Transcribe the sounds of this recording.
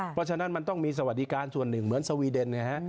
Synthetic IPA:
pʰɔ˦˥t͡ɕʰa˧na˦˥nma˧nt̪ɔ˥˩ŋmiː˧s̬a˧wa˨˩t̪̚di˦˥kaː˧nsu˨˩ənːɯ˨˩ŋmɯ˩˦ənsa˧wiː˧de˧nka˧˩kʰa˦˥ʔ

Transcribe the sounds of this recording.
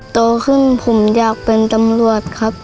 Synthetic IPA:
t̪oː˧kʰɯ˧˥˩npʰu˨˧˩mjaː˧˨˩k̚pe˧nt̪a˧mlu˧˩ət̪̚kʰa˦˥p̚

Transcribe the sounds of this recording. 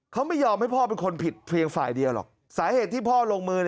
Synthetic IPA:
kʰa˦˥wma˥˩jɔː˧mha˥˩jpʰɔː˥˩pe˧nkʰo˧npʰi˨˩t̪̚pʰli˧əŋfa̰ː˨˩jdi˧əwlɔ̰˨˩k̚ | saː˩˦heː˨˩t̪ʰːiː˥˩pʰɔː˥˩loː˧ŋmɯː˧n˨

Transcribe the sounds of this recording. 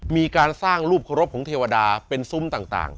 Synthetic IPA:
miː˧kaː˧nsaː˥˩ŋɾuː˥˩p̚kʰa˧ɾo˦˥p̚kʰɔː˩˦t̪ʰeː˧wa˧daː˧pe˧nsu˦˥˨mt̪aː˨˩ŋt̪a̰ː˨˩ŋ

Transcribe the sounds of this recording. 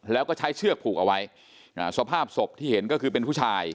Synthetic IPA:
lɛː˦˥wkɔː˥˩t͡ɕʰa˦˥jt͡ɕʰɯ˥˩ək̚pʰuː˨˩k̚ʔa˧wa˦˥j | a̰˧˩su˨˩a˦˩pʰaː˥˩p̚so˨˩p̚t̪ʰiː˥˩he˩˦nkɔː˥˩kʰɯː˧pe˧npʰu˥˩t͡ɕʰaː˧j

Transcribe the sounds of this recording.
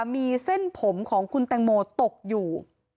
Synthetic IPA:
miː˧se˥˩npʰo˩˦mkʰɔː˩˦ŋkʰu˧nt̪ɛː˧ŋmoː˧t̪o˨˩k̚juː˨˩

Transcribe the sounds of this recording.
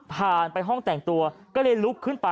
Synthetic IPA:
pʰaː˨˩npa˧jɦɔ˥˩ŋt̪ɛ˨˩ŋt̪u˧ɐkɔː˥˩lɤː˧jlu˦˥kʰːɯ˥˩npa˧

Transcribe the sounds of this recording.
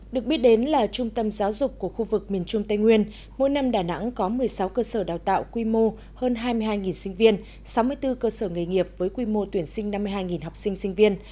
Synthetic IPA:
ɗɨ˨˩ək̚ɓi˦˥t̚ɗe˨˦nlaː˨˩t͡ɕʊ˧ŋ͡mt̪ə˧mzaː˨˦wzʊ˨˩k͡p̚ku˧˩əxu˧vɨ˨˩k̚mi˨˩ənt͡ɕʊ˧ŋ͡mt̪ə˧jŋwi˧ən | mo̰˧˥jna˧mɗaː˧˩na̰˧˥ŋkɔ˨˦mɨ˨˩əjsa˨˦wkəː˧səː˧˩ɗaː˨˩wt̪a̰ː˧˨wkwi˧mo˧ | həː˧nɦaː˧jmɨ˧ɦaː˧jŋi˨˩nsï˧ŋ̟vi˧ən | sa˨˦wmɨ˧əjt̪ɨ˧kəː˧səː˧˩ŋɨ˨˩jŋi˨˩əp̚vəː˨˦jkwi˧mo˧t̪wi˧˩ənsï˧ŋ̟na˧mːɨ˧əjɦaː˧jŋi˨˩nɦa˨˩wk͡p̚sï˧ŋ̟sï˧ŋ̟vi˧ən

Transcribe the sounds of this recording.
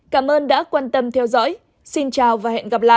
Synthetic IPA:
kaː˧˩mʔəː˧nɗa̰ː˧˥kwaː˧nt̪ə˧mt̪ʰɛ˧wzɔ̰ː˧˥j | si˧nt͡ɕaː˨˩wvaː˨˩hḛ˧˨nɣə˨˩p̚la̰ː˧˨

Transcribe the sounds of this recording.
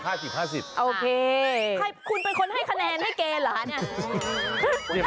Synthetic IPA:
haː˥˩si˨˩p̚haː˥˩si˨˩p̚ʔoː˧kʰeː˧kʰa˧jkʰu˧npe˧nkʰo˧nɦa˥˩jkʰa˧nɛː˧nha˥˩jkeː˧laː˩˦nni˥˩˥

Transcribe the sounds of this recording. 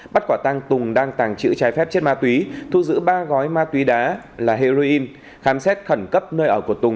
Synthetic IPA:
ɓa˦˥t̚kwaː˧˩t̪aː˧ŋt̪ʊ˨˩ŋɗaː˧ŋt̪aː˨˩ŋt͡ɕɨ̰˧˥t͡ɕaː˨˦jfɛ˦˥p̚t͡ɕi˦˥t̚maː˧t̪wi˨˦t̪ʰu˧zɨ̰˧˥ɓaː˧ɣɔ˨˦jmaː˧t̪wi˨˦ɗaː˨˦laː˨˩ɦi˧zo˧ʔi˧n | xaː˨˦msɛ˦˥t̚xə˧˩nkə˦˥p̚nəː˧jʔəː˧˩ku˧˩ət̪ʊ˨˩ŋ͡m

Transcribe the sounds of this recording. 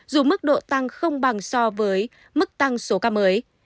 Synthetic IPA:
zu˨˩mɨ˦˥k̚ɗo̰˧˨t̪a˧ŋxə˧wŋ͡mɓa˨˩ŋsɔ˧vəː˨˦j | mɨ˦˥k̚t̪a˧ŋso˨˦kaː˧məː˨˦j

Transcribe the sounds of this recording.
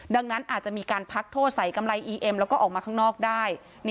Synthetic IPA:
da˧ŋna˦˥nʔaː˨˩t̪̚t͡ɕa˨˩ʔmiː˧kaː˧npʰa˦˥k̚t̪ʰoː˥˩t̪̚sa˩˦jka˧mɾa˧jʔiː˧ʔe˧mlɛː˦˥wkɔː˥˩ʔɔː˨˩k̚mː˧kʰaː˥˩ŋnɔː˥˩k̚daː˥˩j | n

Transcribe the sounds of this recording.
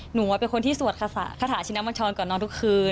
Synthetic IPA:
nu˨˩˦pe˧nkʰo˧nt̪ʰiː˥˩su˨˩ət̪̚kʰa˧sa̰˨˩ʔkʰa˧aː˨˩˦t͡ɕʰna˦˥mɔ˧nt͡ɕʰɔː˧nkɔ˨˩nːɔː˧nt̪u˦˥kʰɯː˧

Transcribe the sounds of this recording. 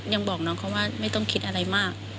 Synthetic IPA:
ja˧ŋbɔː˨˩k̚nɔː˦˥ŋkʰɔ˧˥waː˥˩ma˥˩jt̪ɔ˥˩ŋkʰi˦˥t̪̚ʔa˧ɾa˧jmaː˥˩k̚

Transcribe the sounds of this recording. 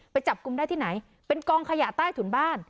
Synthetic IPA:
pa˧jt͡ɕa˨˩p̚ku˧mdaː˥˩j̪ʰiː˥˩na˩˦j | pe˧nkɔː˧ŋkʰa˧ja˨˩t̪aː˥˩jt̪ʰu˩˦nbaː˥˩n

